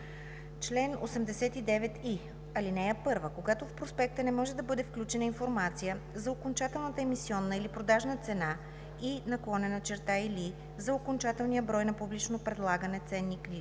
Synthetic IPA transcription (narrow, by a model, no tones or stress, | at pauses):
t͡ʃlɛno̰sɛmd̪ɛsɛt̪id̪ɛvɛt̪i | ɐlinɛjəpɤɾvəkoɡat̪ofpɾospɛk̚t̪ənɛmɔʒɛd̪ɐbɤd̪ɛfklʲut͡ʃɛnəinfoɾmat̪sijə | zɐokont͡ʃat̪ɛlˠnət̪əɛmisiɔnːəilipɾod̪aʒnət̪sɛna | inɐklˠɔnɛnɐt͡ʃɛɾt̪aili | zɐokont͡ʃat̪ɛlˠnijəbɾɔjnɐpublit͡ʃnopɾɛd̪lˠaɡənɛt̪sɛnːikɾi